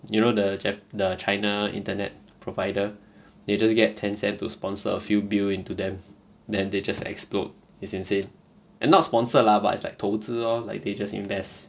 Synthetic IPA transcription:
junodəd͡ʒɛdət͡ʃʰaɪnaḭ̃ntənɛt̚ | pʰɹovaɪdə | ded͡ʒasɡɛtʰːɛ̃nsɛ̃ntːuspɔ̃nsə̰əfjubilĩntudɛ̃m | dɛ̃nded͡ʒasɛ̰ksplɔ̰t̚ | isĩnsẽn | ʔɛ̃nːɔtspɔ̃nsəlabatɪtsla̰jk̚tʰotʰəɔlaɪk̚ded͡ʒasḭ̃ɱvɛst

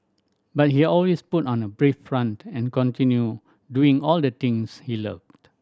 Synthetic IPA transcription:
bat̚hiɔlwesputɔ̃nəbɹifɹãntɛ̃nkɔ̃ntĩnju | duĩŋɔldət̪ɪ̃ŋshiləvt

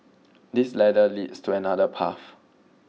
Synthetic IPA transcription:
dislɛdəlidstʰuɛnadəpʰa̰f

